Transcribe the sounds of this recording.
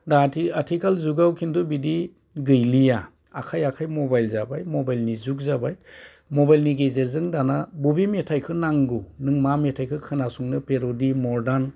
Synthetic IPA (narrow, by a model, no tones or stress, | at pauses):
datʰiatʰikalzuɡawkʰindɔbidi | ɡɯjlijaː | kʰajakʰajmɔbajlzabajmɔbajlnizuk̚zabaj | mɔbajlniɡezeɾzɯŋdanabubimetʰajkʰɯnaŋɡunɯŋmametʰajkʰɯkʰɯnasuŋnɯpeɾɔdimɔɾdan